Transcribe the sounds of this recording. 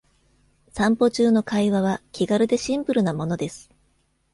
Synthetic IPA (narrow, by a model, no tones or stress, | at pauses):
sãmpo̞t͡ɕɨːno̞kaiβaβ̞akʲiɡaɾɯ̟d̪e̞ɕĩmpɯ̟ɾɯ̟namo̞no̞d̪e̞sɨ̥